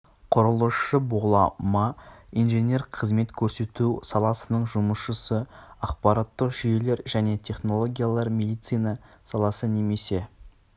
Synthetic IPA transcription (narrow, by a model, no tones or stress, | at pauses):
qʰʊɾəlˠəʃəbolˠɑmɑijnʒe̞nʲe̞ɾqʰəzme̞t̪kʲʰɵɾse̞t̪usɑlˠɑsənəɴʒʊməsʃəsəɑq̚pɑɾɑt̪ːəqʒʏje̞le̞ɾʒæne̞t̪ʲʰe̞χno̞lˠo̞ɡʲijalˠɑɾmʲe̞d̪ijt̪sɨjnɑsɑlˠɑsəne̞me̞se̞